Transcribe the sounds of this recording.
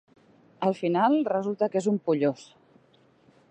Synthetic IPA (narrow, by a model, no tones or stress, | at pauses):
əlˠfinalˠrəzulˠt̪əkezumpuʎos